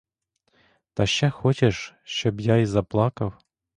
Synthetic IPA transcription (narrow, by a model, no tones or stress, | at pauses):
t̪ɑɕːæxot͡ɕeʂɕobjɑizɑplˠɑkɤw